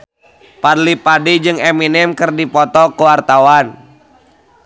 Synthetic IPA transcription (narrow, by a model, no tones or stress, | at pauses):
padlipadid͡ʒɨŋɛminɛmkərdipɔt̪ɔkəwart̪awan